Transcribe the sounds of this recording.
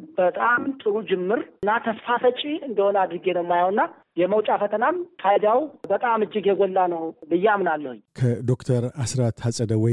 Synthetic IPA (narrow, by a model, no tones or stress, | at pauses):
b̥ət̪ʼamt̪ʼɨɾud͡ʒɪmːɨɾnːat̪ʰəsfafət͡ʃʼiɨnd̪əhonad̪ɾɨɡenəmːajawɨnːa | jɛməwt͡ʃʼafət̪ʰənamfʰajd̪awbət̪ʼamɨd͡ʒːɪɡjɛɡɔlːanəwlɨjːɛamnalːəhʊɲkʰəd̪o̞kt̪ʰəɾasɾat̪hasʼəd̪əwɔj